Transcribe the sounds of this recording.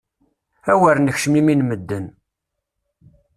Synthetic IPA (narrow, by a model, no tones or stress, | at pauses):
æwæɾnəçʃəmiminməd̪ːən